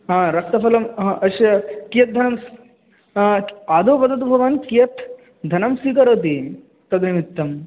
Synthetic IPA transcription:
ɦãɾɐk̚t̪ɐfɐlɐmɦʔɐʃjɐkijɐt̪̚d̪ʱɐnɐms | aːd̪oːpɐd̪ɐt̪bʱɐʋaːnkijɐt̪ | d̪ʱɐnɐmsikɐɾoːt̪̬i | t̪ɐd̪nɐmit̪ːɐm

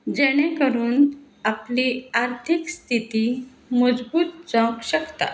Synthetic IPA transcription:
d͡ʑɛɽ̃ẽkəɾuːn | apliaɾt̪ʰikst̪ʰit̪i | məd͡zbuːt̪̚d͡zãkɕəkt̪a̰

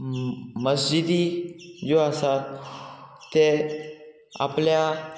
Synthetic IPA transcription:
məsd͡ʑid̪id͡zoasat̪ː | e | a̰plja

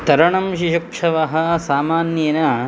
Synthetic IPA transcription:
t̪ɐɾɐɳɐmʃiʃɐkʂɐʋɐɦɐ̆saːmaːnjɐnɐ

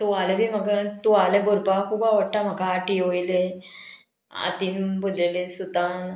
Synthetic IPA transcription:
t̪ualebʱiːm̤akat̪ualeboɾpakʰubaʋəʈːam̤akaːʈioile | a̰t̪imbulelesut̪an

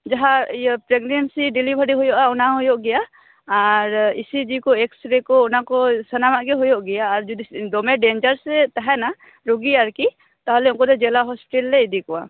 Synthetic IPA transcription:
d͡ʒaɦapɾeɡnensiɖilibʱəɖiɦɔjɔʔaɔnaɦɔjɔʔɡɛjaː | ɾisid͡ʒikɔeksɾɛkɔɔnakɔsənamaʔɡɛɦɔjɔʔɡɛjaːɾd͡ʒud̪id̪ɔmɛɖend͡ʒəɾsɛt̪aɦɛna | ɾuɡiaɾki | t̪aɦlɛɔŋkɔd̪ɛd͡ʒɛlaɦɔspiʈɛlːɛid̪ikɔa

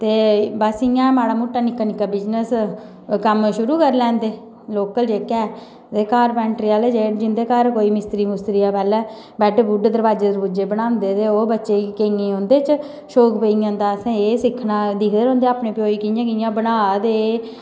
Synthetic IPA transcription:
t̪eːbasɪjãːmaːɽaːmuʈːaːnɪkːaːnɪkːaːbɪd͡ʒnəs | kəmʃʊɾuːkəɾlɛ̃ːnd̪eː | loːkəld͡ʒeːkɛː | t̪eːkaːɾpɛːɳʈɾiːaːleːd͡ʒeːd͡ʒɪnd̪eːkəɾkoːiːmɪst̪ɾiːmʊst̪ɾiːaːpɛːlɛː | bɛːʈebuːɖd̪əɾbaːd͡ʒeːd̪əɾbud͡ʒeːbənãːnd̪eːt̪eːoːbətːʃeːkeːŋẽːɦõnd̪eːt͡ʃ | ʃoːkpeijãːnd̪aːəsãːeːsɪkʰːnaːd̪ɪkʰd̪eɾõːnd̪eːaːpɳeːpjoːiːkːjãːkɪjãːbənaːd̪eː

